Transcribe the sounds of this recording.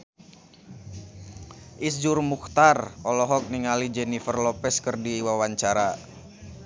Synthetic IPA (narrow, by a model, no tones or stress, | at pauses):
ʔisd͡ʒurmukt̪arɔlɔɦɔk̚niŋalid͡ʒɛnifərlɔpɛskərdiwawaɲt͡ʃaɾa